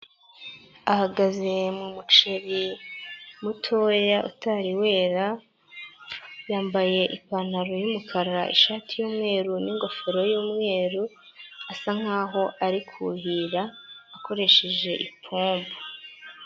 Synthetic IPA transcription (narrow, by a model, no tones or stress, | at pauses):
ahaɡaze̞mumut͡ʃeɾi | mutʰo̞jaʔṵtaɾiwe̞ːɾa | jaːmbaje̞ʔipanaɾojumukʰaɾa̰ʔḭʃaːtijuːmŋe̞ːɾuniŋɡo̞feɾo̞juːmŋe̞ːɾu | asaŋ̥aːɦo̞ʔaɾikʰuhiɾaːko̞ɾe̞ʃeʒe̞ʔipʰuːmbu